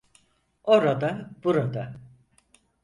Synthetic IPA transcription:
o̞ɾad̪abuɾad̪a

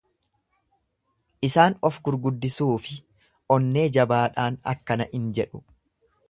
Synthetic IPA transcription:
ʔɪsaːnɔfɡʊɾɡʊd̪ːɪsuːfɪ | ʔɔnːe̞ːd͡ʒɐbaːᶑaːnɐ̰kːɐnɐʔɪnd͡ʒɛᶑʊ̥

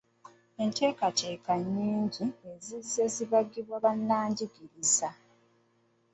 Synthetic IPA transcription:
eɲteːkaceːkaɲːiːɲɟie̞zise̞ːziβaɡiβwaβanːaːɲɟiɡiɾiza

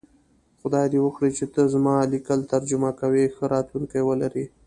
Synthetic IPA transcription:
xʊd̪ɑjd̪iwəxɽit͡ʃet̪əzmɑlikəlt̪aɾd͡ʒʊmakawexəɾɑt̪luŋkajwəlaɾi

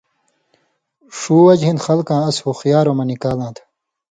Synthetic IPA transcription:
ʂuːwɐd͡ʑɦind̪xɐlkãːɐshuxjaːɾoːmɐnikaːlãːt̪ʰ

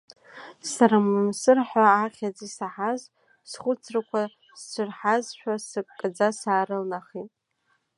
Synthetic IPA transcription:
saɾamɨmsɨrħaːχʲad͡zisaħaz | sχʷʊt͡sʰrɨkʷʰa | z̥t͡sʷʰʊrħazʃᶣʷasɨkʼkʼːɨd͡zasaːɾɨlnaχitʼ

